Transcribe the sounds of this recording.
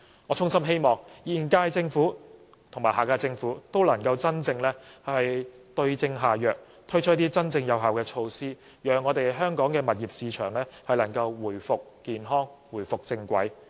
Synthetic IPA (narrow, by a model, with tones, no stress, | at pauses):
ŋɔː˨˧t͡sʰʊ˥ŋsɐ˥mɦe˥jmɔː˨˩ŋjiː˨˩nkaː˧jt͡sɪ˧ŋfuː˨˥ | t̪ʰʊ˨˩ŋmaː˨˩haː˨˩kaː˧jt͡sɪ˧ŋfuː˨˥t̪o˥wlɐ˨˩ŋkɐ˧wt͡sɐ˥nt͡sɪ˧ŋlɛː˥hɐ˨jt̪ɵ˧ɥt͡sɪ˧ŋɦaː˨jœː˨k̚ | t̪ʰɵ˥ɥt͡ʃ̚ʰt̪iː˥t͡sɐ˥nt͡sɪ˧ŋjɐ˨wɦaː˨wkɛː˧t͡ʃʰo˧wsiː˥ | jœː˨ŋːɔː˨˧t̪e˨jɦœː˥ŋkɔː˨˥ŋkɛː˧mɐ˨t̚iː˨p̚siː˨˧t͡ʃʰœː˨˩ŋlɛː˥hɐ˨jlɐ˨˩ŋkɐ˧wwuː˨˩jfʊ˨k̚kiː˨nɦɔː˥ŋwu˨˩jfʊ˨k̚t͡sɪ˧ŋkʷɐ̰˨˥j